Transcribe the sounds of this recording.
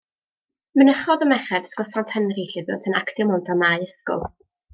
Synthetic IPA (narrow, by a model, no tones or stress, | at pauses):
mənəχɔðəmɛχɛdə̥skɔsantʰənriɬɪvɪwntʰənakʰtɪmɔndamajəskʊ̰lˠ